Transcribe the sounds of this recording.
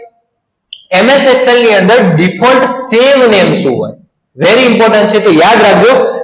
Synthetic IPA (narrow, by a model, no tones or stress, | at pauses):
emesekselniːə̃nd̪əɾɖɪpʰɔ̃ɳʈseːʋnẽːmsuɦo̰ːe | ʋeɾiɪmpɔːɾʈə̃ɳʈ̚t͡ʃʰet̪ojaːd̪ɾaːk̚ʰd͡ʒoː